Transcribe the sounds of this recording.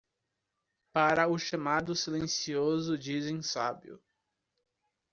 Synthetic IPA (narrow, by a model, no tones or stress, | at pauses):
paɾɐʊʃamad̪ʊsilẽsiozʊd͡ʒizẽj̃sabiʊ̰